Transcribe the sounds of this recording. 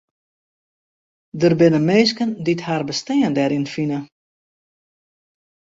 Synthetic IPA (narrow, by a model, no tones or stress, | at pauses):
dərbɪnəmeːskəndithaːrbəstɛːəndɛɾɪnfinə